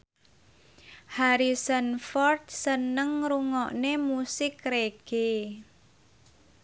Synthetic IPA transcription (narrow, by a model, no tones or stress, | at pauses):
haɾisənfɔrt̪̚sənəŋɾuŋɔʔnemusɪkɾeɡ̥e